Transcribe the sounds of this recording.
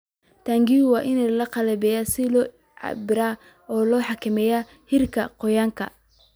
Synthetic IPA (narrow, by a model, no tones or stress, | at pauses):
t̪ʰaːŋɡiːwɑːʔɪnɛlɐqɑlɛbɛːjaːsɪlɔː | ʕɑ̰bɪɾaː | ɔːlɔːħɑkʰɪmɛːjaː | hɪrkʰɐqɔjaːŋkʰɐ̰